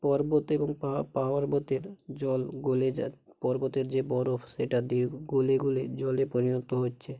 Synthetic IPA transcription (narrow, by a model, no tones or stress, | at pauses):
pɔɾbot̪eboŋpapaaɾbot̪eɾd͡ʑɔlɡoled͡ʑa | pɔɾbot̪eɾd͡ʑebɔɾofʰʃeʈad̪iɾɡoleɡuled͡ʑɔlepoɾinot̪oɦotːɕʰe